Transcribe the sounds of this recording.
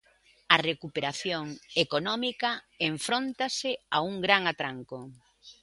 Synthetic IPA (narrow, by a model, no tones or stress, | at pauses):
ɐrekupeɾaθjoŋekonɔmikɐ | eɱfɾont̪asɪauŋɡɾaŋat̪ɾaŋko